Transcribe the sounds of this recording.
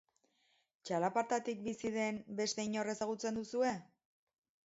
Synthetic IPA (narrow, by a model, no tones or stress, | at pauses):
t͡ʃalapaɾt̪at̪ik̚bisiðe̞nbe̞st̪e̞iɲo̞re̞saɣ̞ut͡se̞nd̪usue̞